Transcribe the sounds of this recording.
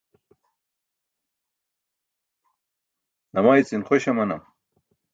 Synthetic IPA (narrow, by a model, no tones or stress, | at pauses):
nɐmaːit͡sinχoɕɐmɐnɐm